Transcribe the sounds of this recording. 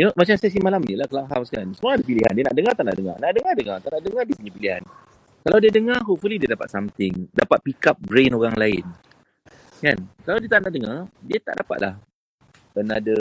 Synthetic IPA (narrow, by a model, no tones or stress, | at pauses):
inomat͡ʃamsas̬imalamnilahkəlaŋɦawskaɾansəmaadəpiliɦa̰ndianaʔdəŋat̪aʔna̰ʔdəŋa̰rnaʔdəŋardəŋart̪aʔnaʔdəŋardiəsəɲəpiliɦa̰n | kalawdiadəŋarɦufulidiadapat̪samt̪ɪŋdapat̪̚pikap̚bɾenoɾaŋlaɪ̰n | kankalawdiat̪aʔnaʔdəŋardiat̪a̰ʔdapa̰t̪̚la̰h | ənadə